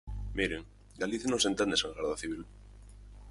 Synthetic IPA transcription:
miɾeŋ | ɡaliθjanõŋsent̪end̪eseŋɡaɾðaθiβil

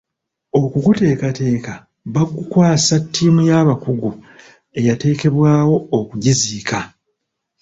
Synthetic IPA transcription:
o̞kuɡute̞ːkate̞ːka | βaɡukwaːsatːiːmujaːβakuɡu | e̞jate̞ːke̞βwaːwo̞ːkuɟiziːka

